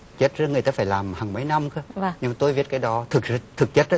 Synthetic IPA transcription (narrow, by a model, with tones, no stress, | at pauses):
t͡ɕe˦˥t̚zə˧˦ŋ˨˩ət̪aː˧faː˧˩jlaː˨˩mhaː˨˩ŋmə˨˦jna˧mkɨː˧˦˧ɲɨ˧ŋma˨˩t̪o˧jvi˦˥ət̚kaː˨˦jɗɔ˨˦t̪ʰɨ˨˩k̚t̪ʰɨ˨˩k̚t͡ɕə˦˥t̚